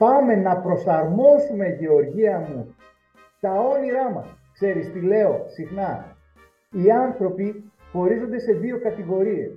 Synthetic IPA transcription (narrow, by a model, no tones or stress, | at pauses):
pɐme̞nɐpɾo̞sɐɾmo̞zume̞ʝeo̞ɾʝiɐmu | t̪ɐo̞niɾɐmɐ̰skse̞ɾist̪ile̞o̞sixnɐ | iɐnθɾo̞pi | xo̞ɾizo̞nd̪e̞se̞ðio̞kɐt̪iɣo̞ɾie̞̰s